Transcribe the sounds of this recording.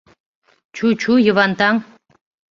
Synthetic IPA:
t͡ɕut͡ɕujəβɑnt̪ɑŋ

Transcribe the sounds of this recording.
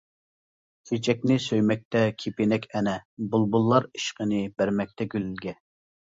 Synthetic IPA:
kʰet͡ʃʰɛkʲnɪsøjmɛk̚ʲt̪ʰɛkʲʰepenɛkʲɛnɛbulˠbulˠːɑɾiʃqənɨbæɾmɛk̚ʲt̪ʰɛɡʲylylɡʲɛ

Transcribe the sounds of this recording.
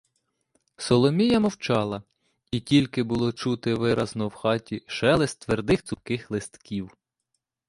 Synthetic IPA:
sɔlˠɔmʲijɐmɔwt͡ʃɑlˠɐ | itʲilʲkɪbʊlˠɔt͡ʃut̪ɪʋɪɾɐznɔwxɑtʲiʃɛlˠɛsʲt̪ʋerd̪ɪxt̪sʊkɪxlˠɪst̪kʰʲiw

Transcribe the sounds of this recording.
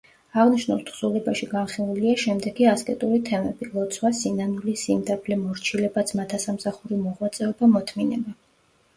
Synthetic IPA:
aʁniʃnulˠt̪ʰχsulɛbaʃiɡanχilˠuliaʃɛmd̪ɛɡiaskʼɛt̪ʼuɾit̪ʰɛmɛb̥ilˠɔt̪sʰwasinanulisimd̪apʰlɛmɔɾt͡ʃʰilɛbat̪sʰmat̪ʰasamsaχuɾimɔʁwat̪sʼɛɔbamɔt̪ʰminɛba

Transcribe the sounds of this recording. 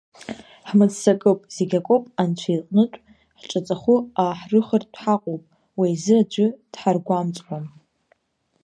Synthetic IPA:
ħmɨd͡zsakʼɨpʼz̥eɡʲakʷʼopʼant͡ɕʷʰaiqʼnɨtʷʼ | ħʈ͡ʂʼat͡sʼaχʊaħrɨχərdħaqʷʼowpʼ | wajzɨad͡ʒʷʊd̥ħarɡʷamt͡sʼħʷam

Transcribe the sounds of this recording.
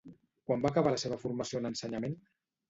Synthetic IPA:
kwambakəβ̞aləseβ̞əfuɾməsionənsəɲəmen

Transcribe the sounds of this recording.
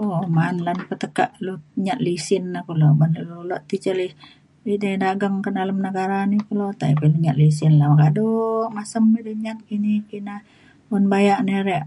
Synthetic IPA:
omanlanpət̪əkaʔluɲaʔ̪lisɪnːakulobanlululoʔt̪it͡ʃəlih | idadaɡəŋkədaləmnəɡaɾanikulot̪aʔipiluɲat̪̚lis̬ɪnlakadoʔmasəmidiɲat̪̚kinikina | unbajaʔneɾɛʔ

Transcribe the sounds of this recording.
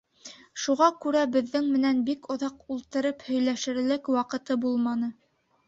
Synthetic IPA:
ʃuʁɑkʉɾæbɘ̆ðːɘŋmɘ̆nænbikŏðɑqulˠt̪ɤ̆ɾɤphɵ̆jlæʃɘ̆ɾlɘkwɑqɤ̆t̪ɤbulˠmɑnɤ

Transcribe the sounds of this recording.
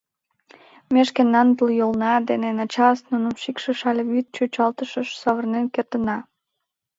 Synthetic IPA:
meʃkenːɑnt̪əljolnɑd̪enenɑt͡ɕɑsnunəmʃikʃəʃɑlʲeβyt̪̚t͡ɕøt͡ɕɑlt̪əʃəʃsɑβərnenkert̪ənɑ

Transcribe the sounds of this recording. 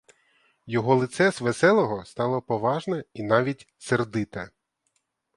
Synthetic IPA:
jɔɦɔlˠɪt̪sɛsʋesɛlˠɔɦɔst̪ɑlˠɔpɔʋɑʒnɛinɑʋʲitʲ | serd̪ɪt̪ɐ

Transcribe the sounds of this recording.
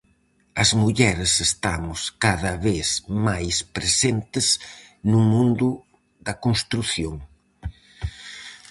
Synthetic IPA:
ɐzmuʎɛɾesest̪amʊskaðɐβeθmajspɾesent̪ɪz | numũnd̪ʊ | ðɐkonst̪ɾuθjoŋ

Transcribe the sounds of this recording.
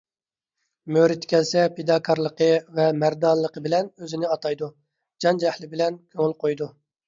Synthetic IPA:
møɾɪt̪ʰːɪ̥kʲʰɛlsɛpʰed̪ɑːkʰɑɾlˠəqəvɛmæɾd̪ɑnlˠːəqəbɪlɛnøzɪnɪɑt̪ʰɑjd̪u | d͡ʒɑnd͡ʒɛhlɪbɪlɛnkʲʰøŋɪlqʰojd̪u

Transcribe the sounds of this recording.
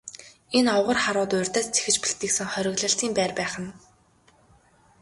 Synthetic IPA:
enɔwʁə̆rχaɾʊːt̪ʊːrʲt̪æːst͡sʰe̥xɘ̆t͡ɕpixt̪iːksɘ̆ŋχœɾʲɪ̆ɣɮə̆ɬtiːmpæːrpæːχə̆n

